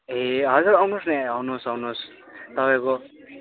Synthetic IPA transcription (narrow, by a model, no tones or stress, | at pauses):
ɦeɦʌd͡zuɾʌwnusneʌwnusʌwnus | t̪ʌpajko